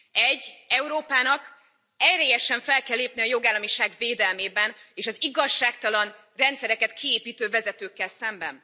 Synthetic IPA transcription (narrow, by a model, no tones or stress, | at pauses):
ɛɟːɛuɾoːpaːnɒk | ɛreːjɛʃɛɱfɛlkɛlːeːp̚niɒjo̞ɡaːlːɒmiʃaːɡveːd̪ɛlmeːbɛneːʃɒziɡɒʃːaːk̚t̪ɒlɒn | rɛnt̪sɛɾɛkɛt̪kʰieːpiːt̪øːvɛzɛt̪øːkːɛlsɛmbɛ̰n